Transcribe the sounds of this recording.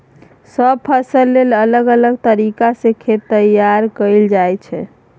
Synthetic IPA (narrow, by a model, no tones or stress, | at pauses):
səb̚pʰəsəlːelələɡələɡt̪əɾikasẽkʰet̪ːəjaɾkəɪld͡ʒajt͡ʃʰɛ